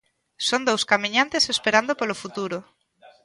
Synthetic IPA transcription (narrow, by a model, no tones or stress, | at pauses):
sond̪owskamĩɲãnt̪esespeɾand̪opolofut̪uɾo